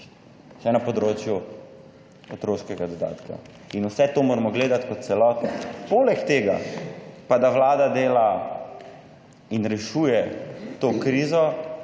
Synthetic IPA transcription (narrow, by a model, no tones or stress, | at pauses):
ʃɛnɐpɔd̪ɾoːt͡ʃju | ot̪ɾoːʃkɛɡad̪ɔd̪a̰ːt̪kʰa̰ | inusɛt̪oːmoːɾmɔɡleːd̪at̪kɔt̪t̪sɛlɔːt̪nɔpoːlɛkt̪eːɡa̰pad̪awlaːd̪ad̪eːla | inɾɛʃuːjɛt̪oːkɾiːzɔ